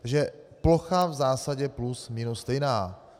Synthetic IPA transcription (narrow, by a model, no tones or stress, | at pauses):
t̪aɡʒɛploxavzaːsaɟɛplusminost̪ɛjnaː